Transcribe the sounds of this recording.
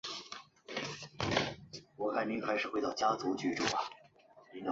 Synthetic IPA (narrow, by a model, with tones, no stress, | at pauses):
wɔ˨˩kʰa˥˩ni˧˥nkʰa˥ɪʂɻ̩˨˩we˧˥ɪt̪ɑ˥˩ʊt͡ɕja˥t͡su˧˥t͡ɕy˥˩ʈ͡ʂu˥˩bɐ˩ | ni˧˥nə˧˦